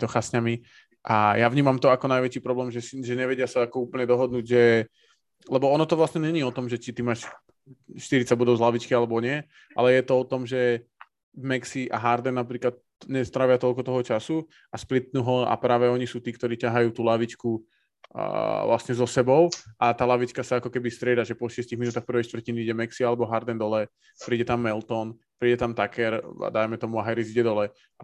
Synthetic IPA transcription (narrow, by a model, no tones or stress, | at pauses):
t̪ɔxasɲami | ʔajaʋɲiːmamt̪ɔakɔnajʋɛt͡ʃiːpɾɔblɛːmʒɛsiʒɛɲɛʋɛɟɪasaakɔuːpl̩ɲɛd̪ɔɦɔd̪nuːɟʒɛ | lɛbɔɔnɔt̪ɔʋlasɲɛɲɛɲiːɔt̪ɔmʒɛt͡ʃit̪imaːʃ | ʃt̪iɾit͡saɟbɔd̪ɔʊzlaʋit͡ʃkialɛbɔɲɪɛ | ʔa̰lɛjɛt̪ɔɔt̪ɔmʒɛ | mɛksiʔa̰ɦaɾd̪ɛnnːapɾiːklat̪ | ɲɛst̪ɾaʋɪat̪ɔlkɔt̪ɔɦɔt͡ʃasu | asplit̪̚nuɦɔa̰pɾaːʋɛɔɲisuːt̪iːk̚t̪ɔɾiːcaɦajuːt̪uːlaʋit͡ʃkṵ | ʋlasɲɛzɔsɛbɔʊʔat̪aːlaʋit͡ʃkasaakɔkɛbist̪ɾɪɛd̪aʒɛpɔʃɪɛsciɣminut̪axpr̩ʋɛjʃt̪ʋr̩ciniiɟɛmɛksialɛbɔɦaɾd̪ɛnd̪ɔlɛ | pɾiːɟɛt̪amːɛlt̪ɔn | pɾiːɟɛt̪amt̪akɛɾa̰d̪ajmɛt̪ɔmuaɦajɾiziɟɛd̪ɔlɛ | a